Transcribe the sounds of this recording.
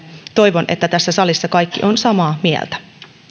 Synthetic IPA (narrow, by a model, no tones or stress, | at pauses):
t̪o̞jʋo̞nʔe̞̰t̪ːæt̪æsːæsɑlisːɑkɑjkːḭʔo̞nsɑmɑːmiɛ̰lt̪æ̥